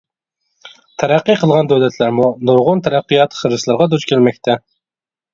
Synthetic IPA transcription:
t̪ʰæɾæqːijqʰəlˠʁɑnd̪øwlɛt̪ʰlæɾmunuɾʁʊnt̪ʰæɾæqːijɑt̪χəɾɨslˠɨɾʁɑd̪ut͡ʃkʲʰelmɛk̚ʲt̪ʰɛ

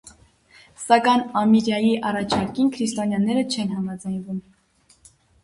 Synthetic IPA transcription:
sɑkɑjnɑmiɾjɑjiʔɑrɑt͡ʃʰɑɾkinkʰɾist̪ɔnjɑnːɛɾət͡ʃʰɛnɦɑmɑd͡zɑjnvum

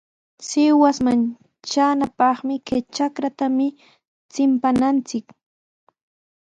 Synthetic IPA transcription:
sɪwasman | t͡ʃanapɑχmɪkat͡ʃakɾat̪amɪ | t͡sɪmpanant͡sɪk

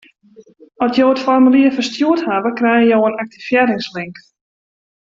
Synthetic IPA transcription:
ɔsjoːətfɔrmyliəfərstjuəthaʋəkrɛjəjoːənak̚tifjɛɾɪŋslɪŋk

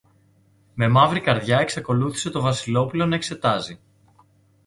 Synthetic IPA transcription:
me̞mɐvɾikɐɾðʝɐeksɐko̞luθi̥se̞t̪o̞vɐsilo̞pulo̞nɐe̞kse̞t̪ɐzi

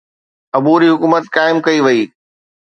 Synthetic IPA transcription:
ɐbuːɾiɦʊkuːmət̪kaːɪmkɐiʋɐiː

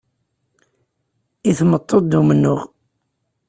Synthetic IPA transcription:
iθmət̪ˤːod̪d̪umənːʊʁ

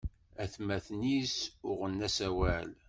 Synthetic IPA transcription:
æθmæθnisʊʁənːæsæwæl

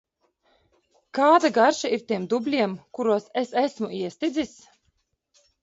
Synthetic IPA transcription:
kaːd̪aɡaɾʃaiɾt̪iɛmd̪ublʲiɛmkuɾuɔsesæsmuiɛst̪id̪zis

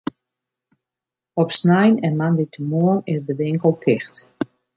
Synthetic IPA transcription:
ɔpsnɛjnɛnmanditʰəmoənɪzdəʋɪŋkəlˠtʰɪxt

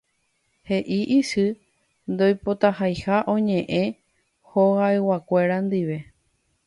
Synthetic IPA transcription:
he̞ʔiʔiʃɨ | nd̪o̞jpo̞t̪ahajhaʔõ̞ɲẽ̞ʔẽ̞ | hoɣaewakʷe̞ɾand̪iʋe̞

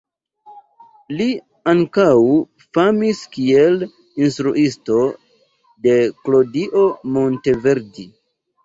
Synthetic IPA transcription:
li | aŋkaw | famiskie̞l | instɾuʔisto̞ | de̞klodiʔo̞mo̞nte̞ve̞ɾdi

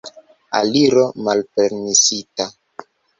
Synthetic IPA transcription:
a̰liɾomalpeɾmisita

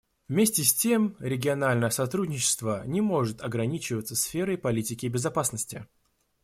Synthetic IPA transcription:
vmʲesʲtʲɪsʲtʲemɾʲɪɡʲɪɐnalʲnəjəsɐt̪ɾudʲnʲɪt͡ɕɪ̥st̪vənʲɪmo̞ʐɨt̪ɐɡɾɐnʲit͡ɕɪvət̪səsfʲeɾəjpɐlʲitʲɪkʲɪbʲɪzɐpasnəsʲtʲɪ

